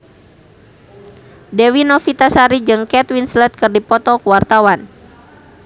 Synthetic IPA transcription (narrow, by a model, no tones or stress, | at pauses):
dɛwinɔfit̪asaɾid͡ʒɨŋkɛt̪winslɛt̪̚kɨrdipɔt̪ɔkuwart̪awan